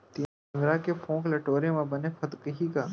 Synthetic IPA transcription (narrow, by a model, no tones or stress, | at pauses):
t̪iː | ŋɡɾakepʰõːklɐʈoːɾemẽbɐnepʰɐt̪kəɦikaː